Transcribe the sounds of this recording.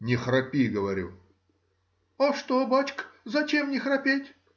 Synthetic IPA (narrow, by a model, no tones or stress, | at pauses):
nʲɪxrɐpʲiɡəvɐɾʲṵ | aʂt̪obat͡ɕkzɐt͡ɕemnʲɪxrɐpʲetʲ